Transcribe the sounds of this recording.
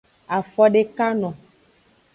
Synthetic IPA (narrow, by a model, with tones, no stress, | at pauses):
a˨fɔ˦ɖe˦ka˦nɔ̃˨